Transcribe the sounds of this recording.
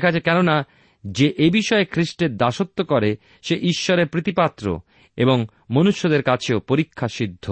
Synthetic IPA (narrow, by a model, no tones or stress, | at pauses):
kʰad͡ʑakɛnona | d͡ʑeʔebiʃɔekʰɾiʃʈeɾd̪aʃot̪ːokɔɾe | ʃeʔiʃːoɾeɾpɾit̪ipat̪ːɾo̰ | eboŋ | monuʃːod̪eɾkat͡ɕʰeopoɾikʰːaʃid̪ʱːo